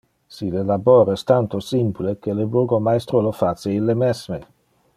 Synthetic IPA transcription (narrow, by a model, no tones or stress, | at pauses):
silelaboːɾɛst̪ant̪osimplekeleboɡomajst̪ɾolofaseilːemɛsme